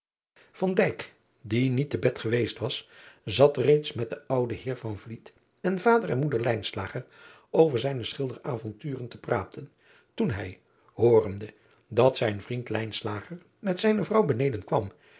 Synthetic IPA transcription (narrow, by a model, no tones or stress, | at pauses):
v̥ɑndɛjk | dinitəbɛtχəʋejstʋɑszɑtrejtsmɛt̚dəʌwdəɦɪːɹvɑnvlit | ɛnvaːdəɹɛnmudəɹlɛjnslaːχəɹ | owvəɹzɛjnəsχɪlˠdəraːvɔntyːrəntəpraːtən | tunɦɛ̰j | hʊːrəndə | dɑtsɛjnvrintlɛjnslaːχəɹ | mɛtsɛjnəvrɑwbənejdənkʋɑm